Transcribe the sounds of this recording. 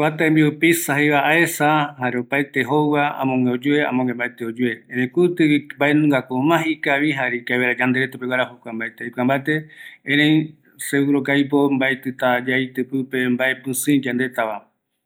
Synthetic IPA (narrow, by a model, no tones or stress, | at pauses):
kʷat̪aẽmbiupisaɦejβaʔaesaɦaɾeopajt̪eɦowβaa̰mõŋeod͡ʒuea̰mõŋẽmbaet̪eod͡ʒue̞ẽnẽkut̪ɨimbaenũŋɡakomãhikaβiɦaɾikaeβeɾad͡ʒand̪eɾet̪apewaɾahokʷambaet̪eikʷambaet̪eẽɾẽj | seuɾokajp̬ombaet̪ɨt̪ad͡ʒajt̪ɨpɨpe̞mbaepɨ̃sɨ̃d͡ʒand̪e̞t̪aβa